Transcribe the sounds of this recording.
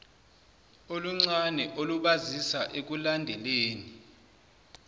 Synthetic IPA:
oluŋ͡ǀanɛʔoluɓazisaʔek̬ulandʱɛleːni

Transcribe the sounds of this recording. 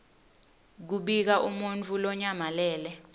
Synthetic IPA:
k̬uɓik̬aʔumunt͡fʰulɔɲamalɛːlɛ

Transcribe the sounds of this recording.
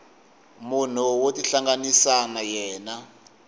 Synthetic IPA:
mun̤uwotiɬaŋɡanisanajɛːna

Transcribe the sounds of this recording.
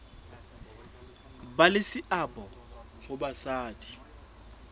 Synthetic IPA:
balɪsɪʔabɔ | ɣʊbasaːtʰʼi̥

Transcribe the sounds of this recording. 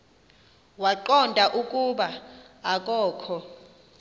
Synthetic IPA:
waǃɔndʱaʔukʼuɓa | ak̬ʼɔːkʰɔ

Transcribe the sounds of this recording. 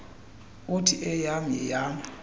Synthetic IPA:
ʊtʰiʔɛjamɛ̰jam

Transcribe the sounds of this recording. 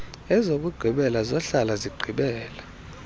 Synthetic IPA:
ɛzok̬ʼuɡ͡ǃʱiɓɛlazɔɬalaziɡ͡ǃʱiɓɛːla

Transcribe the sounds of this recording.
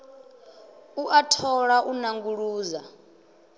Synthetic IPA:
uʔatʰɔɺaʔunaŋɡuɺuːza

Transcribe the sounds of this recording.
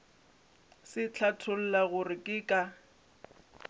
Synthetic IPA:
sɪt͡ɬʰatʰʊl̩laɣʊrɪkʼɪkʼa

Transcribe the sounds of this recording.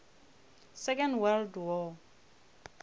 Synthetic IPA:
sɛkɔ̃ndwɛldwɔ

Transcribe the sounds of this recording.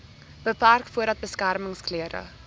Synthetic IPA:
b̥əpærkfuəɾdɐt̚bəskærməŋskliəɾə̰

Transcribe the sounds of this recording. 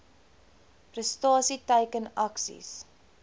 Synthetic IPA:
prəstɑːsitɛjkənɐksḭs

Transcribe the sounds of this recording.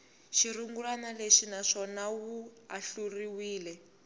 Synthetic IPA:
ʃiɾuŋɡulanaleʂinaʂɔnawuaɬuriwiːlɛ

